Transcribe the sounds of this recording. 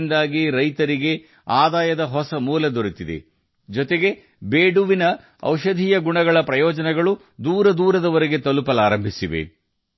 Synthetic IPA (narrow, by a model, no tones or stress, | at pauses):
nd̪aːɡiɾɐjt̪ɐɾiɡe̞ | aːd̪aːjɐd̪ɐɦɔsɐmuːlɐd̪oɾit̪id̪ḛ | d͡ʒɔt̪eɡe̞ | beːɖuʋinɐ | ɐ̰wʃɐd̪ʱiːjɐɡuɳɐɡɐɭɐpɾɐjɔːd͡ʒɐnɛɡɐɭu | d̪uːɾɐd̪uːɾɐd̪ɐʋɐɾeɡe̞t̪ɐlupɐlaːɾɐmbʱisiʋḛ